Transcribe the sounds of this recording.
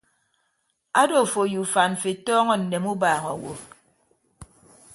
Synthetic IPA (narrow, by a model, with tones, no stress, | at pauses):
a˦do˨fo˨ju˨fa˨n̩˨fe˨tɔː˦ŋɔ˦n̩˨ne˨mu˦baː˨ŋɔ˨wo̰˨